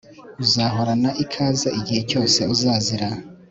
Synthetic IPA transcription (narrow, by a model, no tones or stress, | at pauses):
uzaːɦo̞ɾanaʔikʰaːzaiɟihe̞co̞ːse̞uzaːziɾa